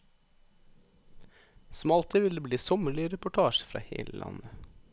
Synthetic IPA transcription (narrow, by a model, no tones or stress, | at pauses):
smɑlt̪ʰəʋɪld̪eːbliːsɔməɭɪɾɛpʊʈʰɑːʃfɾɑ̰ːhḛːləlʔɑ̰nə